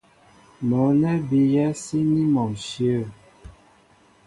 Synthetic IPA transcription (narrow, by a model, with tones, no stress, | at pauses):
mɔ˨˦nɛ˦bi˨jɛ˦si˦ni˦mɔ˨mʃi˦ə˦˨